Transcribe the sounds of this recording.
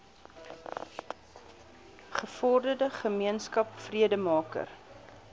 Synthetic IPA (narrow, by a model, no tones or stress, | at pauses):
χəfɔrdədəχəmiənskɐpfriədəmɑːkə̰r